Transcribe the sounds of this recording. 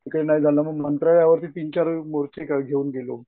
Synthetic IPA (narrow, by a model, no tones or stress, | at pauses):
kəɽenajd͡zʱalaməɡmənt̪ɾaɭjaʋəɾt̪iːt̪iɲt͡ɕaɾmoɾt͡ɕekaɡʱeuːnɡelo